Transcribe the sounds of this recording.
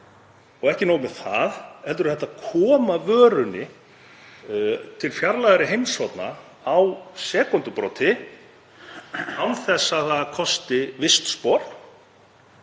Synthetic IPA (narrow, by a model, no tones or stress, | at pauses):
ɔɣɛhcɪnoːwmɛθaðɛlt̪ʏɾʏθɛht̪ːakʰɔːmavœːɾʏnɪ | t̪ʰɪlfjaɾlajɣðɾɪɦejmsvɔt̪na̰ | awsɛːkɔnt̪ʏpɾɔt̪ʰɪ | awθɛsːaðθaðakʰɔst̪ɪvɪst̪spɔɾ̥